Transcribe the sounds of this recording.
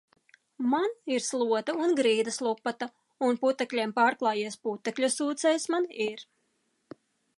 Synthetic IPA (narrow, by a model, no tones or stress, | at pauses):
maniɾslˠuɔt̪aunɡɾiːd̪ɐslˠupːat̪a | unput̪ɛklʲiɛmpaːɾklˠɑːjiɛsput̪ːɛklʲusuːt̪sɛjsmaniɾ